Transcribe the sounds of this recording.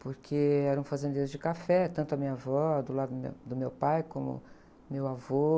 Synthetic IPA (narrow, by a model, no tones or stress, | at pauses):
poɾkʰeɛɾɐ̃ũfazẽnd̪eɾʊzd͡ʒɪkafɛt̪ɐ̃nt̪ʊɐmĩɲavɔd̪ʊlad̪ʊd̪mḛd̪ʊmewpajkõmʊ̰ | mewavo